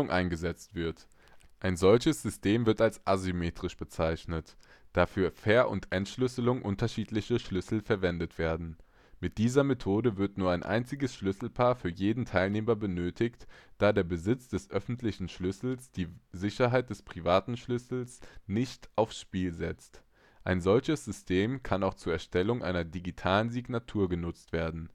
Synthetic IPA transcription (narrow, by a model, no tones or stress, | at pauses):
ʊŋʔaɪnɡəzɛt͡stv̥ɪɐt | ʔaɪnzɔlçəsz̥ʏstʰeːmvɪɐtalsʔazymeːtʁ̥ɪʃb̥ət͡saɪçnət | d̥aːfyːɐfɛːɐʔʊ̰ntʔɛntʃlʏsəlʊŋʔʊntɐʃiːtlɪçəʃlʏsl̩fɛɐvɛndətv̥eːɐdn̩ | mɪt̚d̥iːzɐmetʰoːdəvɪɐtnuːɐaɪnʔa̰ɪnt͡sɪɡəsʃlʏsl̩pʰaːɐfyːɐjeːdn̩tʰaɪlneːmɐbənøːtʰɪçtd̥aːdeːɐbəzɪt͡sd̥ɛsʔœfn̩tʰlɪçn̩ʃlʏsl̩sd̥iːzɪçɐɦaɪt̚d̥ɛspʁ̥ivaːtn̩ʃlʏsl̩snɪçtʔaʊfsʃpiːlzɛt͡st | ʔaɪnzɔlçəsz̥ʏstʰeːmkʰanaʊxt͡suːɐɛɐʃtʰɛlʊŋʔa̰ɪnɐdiɡitʰaːlənziɡnatʰuːɐɡənʊt͡stv̥eːɐdn̩